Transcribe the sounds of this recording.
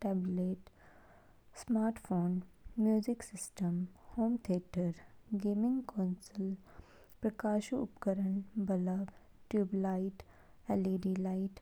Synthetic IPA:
ʈɛːbleːʈ | smaːɾʈfoːnmjuːzɪksɪsʈəmhoːmt̪ʰiːʈəɾɡeːmɪ̃ŋɡkɔːnsəl | pɾɐkaːʃuʊpkəɾənbələb | ʈjuːblaɪʈ | ɛleːɖilaɪʈ

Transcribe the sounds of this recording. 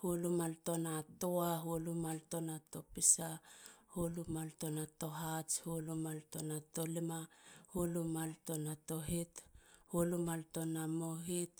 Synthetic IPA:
hulumalto̞natoaɦulumalto̞nato̞pisahulumalto̞nato̞ɦat͡ʃhulumaltonato̞limahulumalto̞nato̞ɦithulumalto̞namoɦit̚

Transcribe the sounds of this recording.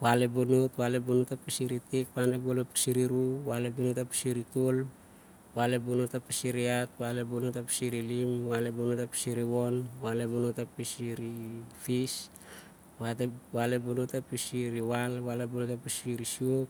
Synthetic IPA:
walebonotwalebonutapisiɾitikwanebolopi̥siɾiɾuwalebunutapi̥siɾitol | walebonotapisiɾiat̚walebonotapi̥siɾilimwalebonotapi̥siɾiwonwalebonotapisiɾifis | watewalebonutapisiɾiwalwalebonotapisiɾisiok̚

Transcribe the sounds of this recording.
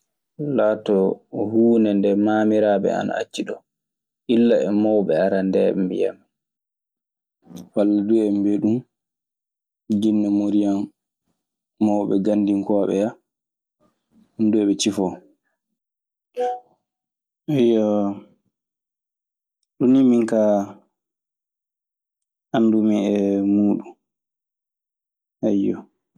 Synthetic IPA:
laːtɔhuːnɛndɛmamiɾaːbɛ̰a̰na̰a̰t͡ʃːiɗɔ | ʔilːaɛmɔwɓɛaɾandɛɛmbḭja̰m | walːaduɛmbeɗum | d͡ʒinːɛmoɾijam | ɔwɓɛ̰ɡandiŋkɔɓɛ̰ja | hunduɛɓɛt͡ʃifɔ | ɛjɔ | ɗunimiŋka | andumiɛmuːɗum | ɛjɔ

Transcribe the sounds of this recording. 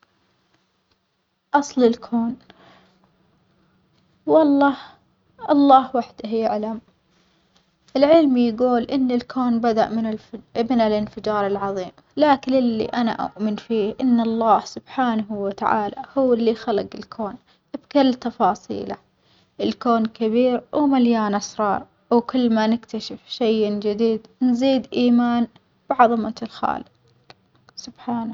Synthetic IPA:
ʔɑsˤlɪlkʰoːn | wɑlˤːɑːh | ʔɑlˤːɑːhwaħd̪ahjaʕlam | ʔɪlʕɪlmjaɡuːlʔɪnːɪlkʰoːnbad̪aʔmɪmɪnɪlɪnfɪd͡ʒɑːɾˤɪlʕɑðˤiːm | laːkɪnɪlːḭʔana̰ʔʊ̰ʔmɪnfiːhʔɪnːɑlˤːɑːhsʊb̥ħaːnahwɪt̪aʕa̰ːla̰hʊwɪlːixalɪɡɪlkʰoːn | ʔɪbkalːt̪ɑfɑːsˤḭːla | ʔɪlkoːnkabiːɾwmaljaːnʔɑsɾˤɑːɾˤ | wkʊlːmanɪkt̪aʃɪfʃejd͡ʒad̪iːd̪nziːd̪ʔiːmaːn | b̥ɪʕɑðˤɑmalxa̰ːlɪq | sʊb̥ħaːna

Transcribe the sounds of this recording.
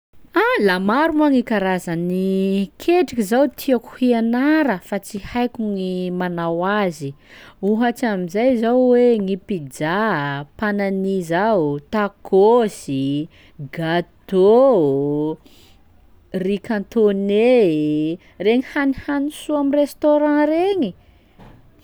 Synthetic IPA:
alamaɾumaŋikaɾazanikʰeʈ͡ʂikizawt̪ʰiaku̥hianaɾəfat͡sihajkʲuŋimanawazi | uɦat͡ʃamizajzawweŋipid͡ʒapananizat̪akosi | ɡat̪o | rikãnt̪one | reɲihanihanisuamirest̪oɾãreŋi

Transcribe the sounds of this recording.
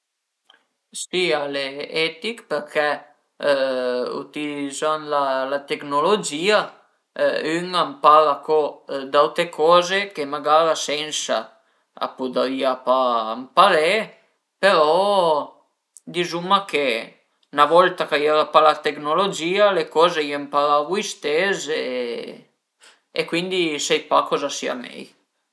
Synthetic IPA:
sialeɛt̪ikpeɾkʰɛ | ṵt̪ilizanlalat̪eknolod͡ʒiːa | yŋampalakɔd̪awt̪ɾekʰɔːzekemaɡaɾasɛnsa̰ | a̰pud̪aɾiapampalɛ | peɾɔ | d̪izumakʰe | navɔlt̪akajɛɾapalat̪eknolod͡ʒiːalekɔːzeiampaɾavujst̪eze | ḛkwind̪isɛjpakɔzasḭa̰mɛ̰j

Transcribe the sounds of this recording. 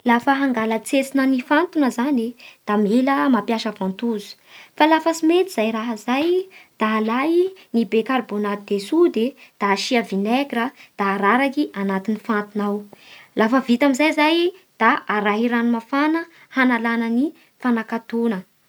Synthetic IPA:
lafəɦaŋɡalət͡set͡sinənifant̪unəzanid̪̥ameləmapjaʃəvãnt̪uzu̥ | falafəsimet̪iz̥ajraɦəzajd̪̥alajnibekarbonad̪esud̪ed̪̥aːʃiavinɛkɾəd̪̥aɾaɾakiʔanat̪inifant̪unawlafəvit̪amizajzajd̪̥aaɾaɦiɾanumafanə | hanalanəni | fanakat̪unə

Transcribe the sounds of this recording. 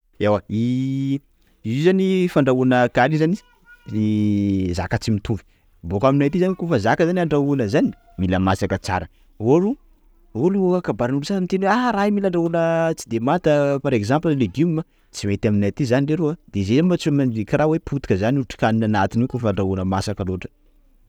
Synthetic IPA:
ewai | zizanifaɳɖ͡ʐaunəkalizani | eza̰kət͡simit̪ʰuvi̥ | bokaminajt̪izanwkofəzakəzanaɳɖ͡ʐaunəzani | miləmasakət͡sa̰ɾə | oɾu | oluokakabaɾinulusasamit̪enweaɾaimilaɳɖ͡ʐaunət͡si̥d̪emat̪əpaɾekzampləleɡumma | t͡simet̪aminat̪izanireɾuad̪̥ezemat͡sumanivikirawepʰut̪i̥kəzaniuʈ͡ʂi̥kaninanat̪inekofaɳɖ͡ʐaunəmasakəloʈ͡ʂə̥

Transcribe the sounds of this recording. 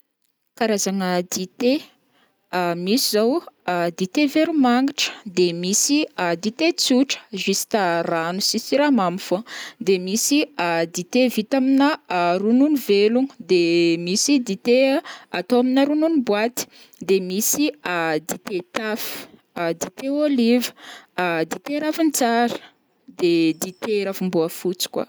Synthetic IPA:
kaɾazaŋəd̪it̪e | misizawd̪it̪eveɾumaŋɡiʈ͡ʂə̥d̪emisid̪it̪et͡suʈ͡ʂə̥ʒisi̥t̪aranusisiɾamamfod̪emisid̪it̪evit̪aminərununivelud̪emisid̪it̪eat̪owaminaɾununibwat̪i̥ | d̪emisiad̪it̪et̪afi̥ | d̪it̪eolivə̥d̪it̪eɾafint͡saɾə̥ | d̪ed̪it̪eɾafumbuafut͡si̥kwa̰

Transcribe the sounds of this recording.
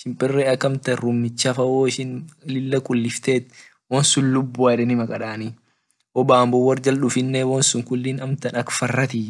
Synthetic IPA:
ʃɪmpʼɪrːeɐkːɐmt̪ɐɾʊmːɪt͡ʃːaːfɐwoːɪʃɪnlɪlːɐkʼʊlːɪft̪eːt̪ː | wonsʊnlʊbːʊaᶑɛnɪmɐkʼɐᶑaːni | ʔɔbaːmbʊwɐɾd͡ʒɐlᶑʊfɪnːɛwoːnsʊŋkʊlːiːnɐmt̪ɐnɐkfɐrːɐt̪i

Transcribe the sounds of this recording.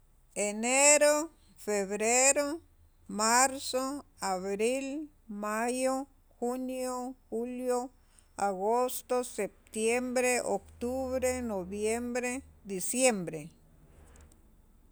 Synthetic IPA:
eneɾo | feβɾeɾo | maɾso | aβɾil | majo | xunjoxuljo | aɡost̪osep̚t̪jembɾeʔokt̪uβɾenobjembɾed̪isjembɾe

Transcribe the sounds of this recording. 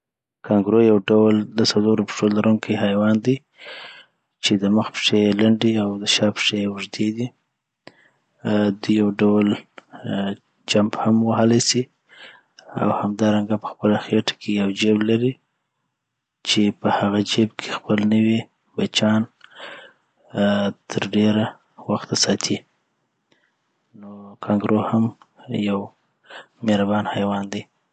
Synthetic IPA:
kaŋɡɾojawɖawld̪əsaloɾopʂolaɾuŋkʰiɦajwɑnd̪i | t͡ʃed̪əməxpʂelaɳɖiawd̪əʃɑpʂewʊʐd̪ed̪i | d̪ujjawɖawəl | d͡ʒambhamwaɦəlajsi | a̰whamd̪ɑɾaŋɡapə̥xpəlaxeʈḁkʰejawd͡ʒeblaɾi | t͡ʃepəhaɣad͡ʒebkʰexpəlnəwi | bat͡ʃɑn | t̪ʰəɾɖeɾa | waxt̪asɑt̪ʰi | nokʰɑŋɡɾoham | jaw | meɾabɑnhajwɑnd̪e

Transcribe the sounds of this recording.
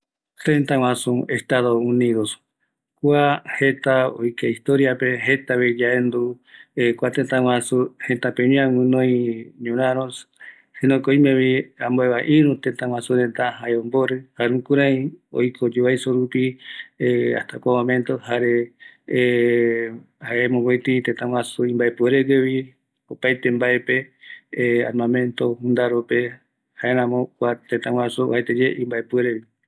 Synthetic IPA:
t̪ẽnt̪aw̃ʷãsũest̪aðoũnĩðos | kʷahet̪ao̰jkeist̪oɾjapeɦet̪aβed͡ʒaend̪u | kʷat̪ent̪ãw̃ãsuhẽnt̪apeɲĩãwɨ̃nõĩɲũɾãɾõs | sinõkoimẽβiãmboeβaʔĩɾũt̪ent̪ãw̃ʷãsũɾent̪aɦaeõmboɾɨhaɾeũkuɾaĩo̰jkʰod͡ʒeβajsoɾupiea̰ht̪akʷamõmẽnt̪ohaɾe | haʔemõɡet̪it̪et̪ãw̃ʷãsuĩmbaepueɾeɡeβi | opajt̪embae̞pe | a̰ɾmãmẽ̞nt̪ohund̪aɾope | haeɾãmõkʷat̪et̪ãwʷãsuhaet̪ed͡ʒeʔĩmbaepueɾeβi

